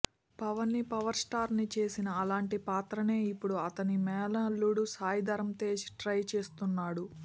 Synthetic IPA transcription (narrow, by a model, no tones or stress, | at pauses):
pɐʋɐnːipɐʋɐɾsʈaːɾnit͡ʃe̞ːsinɐːlaːɳʈipaːt̪ɾɐne̞ːipːuɽuɐt̪ɐnimɛːlɐlːuɽusaːjd̪ɐɾɐmt̪eːsʈɾɐjt͡ʃe̞ːst̪unːaːɽu